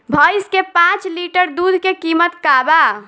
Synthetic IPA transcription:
bʱəjskepãt͡ʃliʈəɾd̪ud̪ʱkekimət̪kaba

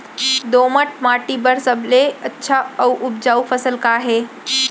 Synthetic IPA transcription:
d̪oməʈmaːʈibəɾsəbleətːʃʰaəwʔʊp̚d͡ʒaːufʰəsəlkaːɦe

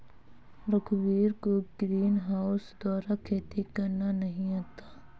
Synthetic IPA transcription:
ɾəkʰwiːɾkoɡɾiːnɦaːʊsd̪ɔːɾakʰeːt̪ikɐɾnanəɦĩaːt̪ḁː

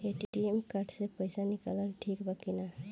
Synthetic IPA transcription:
eʈiʈiemkaɾɖsepəjsanikalənʈʰikbəkina

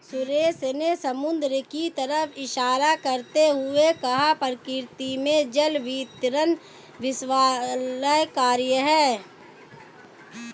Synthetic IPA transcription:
sʊɾeːsnesəmʊnd̪ɾəkit̪ɐɾəfʰɪʃaːɾakɐɾt̪eɦʊekɐɦapəɾkɪɾt̪imẽd͡ʒəlʋiːt̪ɾən | ʋɪswaːləɦkaːɾjəɦɛː

